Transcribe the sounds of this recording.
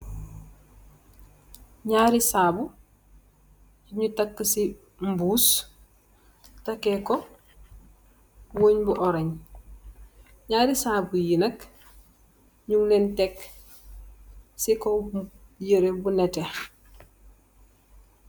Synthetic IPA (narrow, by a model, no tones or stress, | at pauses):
ɲaɾisaːbu | iɲutɐkːsi | mbuːs | tɐkːeko | woːɲbuʔɔɾeɲ | ɲaːɾisaːbujinɐk | ɲuŋlentek | sikojəɾebunete